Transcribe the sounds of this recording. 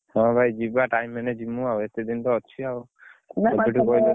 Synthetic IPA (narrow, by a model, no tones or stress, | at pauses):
hɔ̃bʱajd͡ʒibaʈajmːɛned͡ʒimuawet̪ed̪int̪ɔːt͡ʃʰiaw | ɔiʈʰiɔile